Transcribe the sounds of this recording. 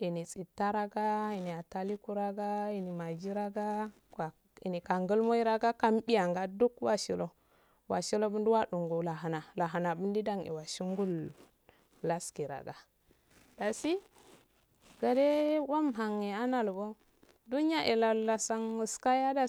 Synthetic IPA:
i˨ni˨t͡sʼi˨tːa˦ɾa˦ɡa˦i˨ni˨a˨ta˦li˦ku˦ɾa˦ɡa˦i˨ni˨ma˨d͡ʒi˦ɾa˦ɡa˦ | ka˨ | ḭ˨ni˨ka˨ŋɡə˦lmo˦i˦ɾa˦ɡa˦ka˦mbi˦ja˨ŋɡa˦du˦kwa˦ʃi˨lo˨ | wa˨ʃi˦lo˦bu˦ndu˦wa˦ɗu˨ŋɡu˨la˨ɦa˨na˨la˨ɦa˨na˨bu˦ndi˦da˦ŋḭ˨wa˨ʃi˦ŋɡu˦lː | a˦ski˨ɾa̰˨ɡa˨ | da˨si˦ | ɡ̥a˨de˦wa˦mɦa˨ŋːe˨a˦na˨lbo˦ | du˦n˦a˦ʔe˨la˨la˨sa˦ŋu˨ska˦ja˦da˨

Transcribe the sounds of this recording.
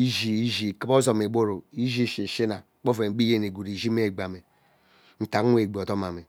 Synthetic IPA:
i˦ʒi˨i˦ʒi˨ki˦bo˦zo˨me˨bo˦ɾo˨i˦ʒi˦˨ʃi˨ʃi˦na˨˦k͡po˦ve˨m̩˦bi˦je˦n˨e˨ɡu˨ɾi˨ʒi˦me˦˨ɡ͡ba˨me˨ | n̩˨ta˨kʷe˨ɡ͡bo˨to˦ma˨me˨

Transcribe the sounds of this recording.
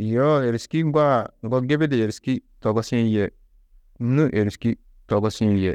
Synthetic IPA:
jo˦e˨ɾi˨ski˦ŋ˦ɡwa˦ŋɡɔ˦ɡe˦be˦de˨e˨ɾi˨ski˦tɔ˨ɡɔ˦sĩ˦lje˨˦ | nu˦ʔe˨ɾi˨ski˦ | tɔ˨ɡɔ˦sĩ˦ljḛ˨

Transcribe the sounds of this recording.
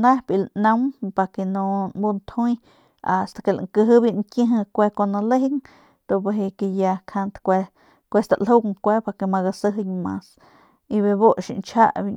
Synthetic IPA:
nã˦bi˨lnã˦mpa˧ke˧nõ˧mbu˧nt̪ʰũ˦j | a˨st̪ḁ˧ke˧˨la̰˨ŋkə˧ɦɨ˦bi˧ʔnkjẽ˦ɦə̃˧kʷe˧ko˧nã˧le˦i˦ŋ | d̪̥o˧˨pe˧ɦe˧ke˧ja˧kʰa˧nt̪kʷe˧ | kʷe˧st̪a˨lo˦kŋkʷe˦pa˧ke˧ma˧ɣa˧sə˦ɦɨ˧ɲmã̰˧s | i˧βe˧bo˦ʔʃḭ˨nt͡ʃʰa̰˦ʔbi˧ɲ

